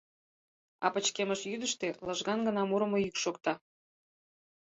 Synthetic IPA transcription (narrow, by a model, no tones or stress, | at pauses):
ɑ̰pə̆t͡ɕkeməʃjyd̪əʃt̪eləʒɣɑnɡə̆nɑmuɾə̆mojykʃokt̪ɑ